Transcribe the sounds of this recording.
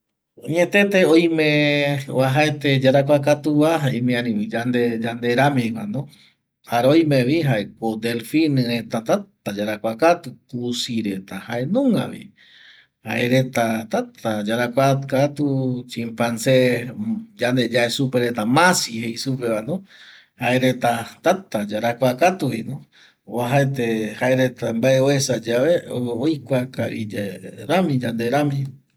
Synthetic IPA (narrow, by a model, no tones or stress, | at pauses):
oɲẽt̪e̞t̪eojmẽwaɦaet̪ed͡ʒaɾakʷakat̪uβaɦaemĩanĩid͡ʒand̪ed͡ʒand̪eɾamĩkano | haɾeojmẽβiɦaʔekod̪elfinɨɾe̞t̪at̪at̪ad͡ʒaɾakʷakat̪ukusiɾet̪ahaʔe̞nũŋɡa̰βḭ | haeɾe̞t̪at̪at̪ad͡ʒaɾakʷakat̪ut͡ʃimpanse | d͡ʒand̪e̞d͡ʒaesupeɾe̞t̪amãsihejsupeβano | haeɾe̞t̪at̪at̪ad͡ʒaɾakʷakat̪uhinõ | βaɦaet̪ehaeɾet̪ambaeoesad͡ʒaβeoojkʷakaʔḭd͡ʒaɾamĩd͡ʒand̪eɾãmĩ